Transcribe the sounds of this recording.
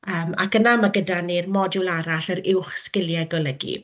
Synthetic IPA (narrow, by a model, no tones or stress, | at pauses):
əːma̰kənamaɡədanermɔdɪlˠaɾaɬəɾɪwχskɪlˠjaɡɔlˠəɡḭ